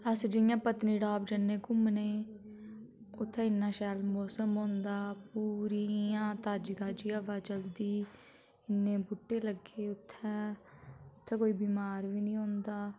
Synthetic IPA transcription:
əsd͡ʒɪjãːpət̪niːɖaːbd͡ʒənːeːkʊmneː | ʊt̪ʰːɛ̃ːɪnːãːʃɛːlmɔːsəmɦõːnd̪aːpuːɾiːãːt̪aːd͡ʒɡaːd͡ʒiːəʋaːd͡ʒəld̪iː | ɪnːẽːbʊʈːeːləɡeːʊt̪ʰːɛ̃ː | ʊt̪ʰːɛ̃ːkoːiːbiːmaːɾʋiːnĩːɦõːnd̪aː

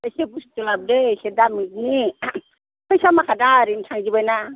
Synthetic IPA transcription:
esebustulab̚desedamit̚ni | kʰɯjsamakʰadaɾintʰaŋd͡ʒibajna

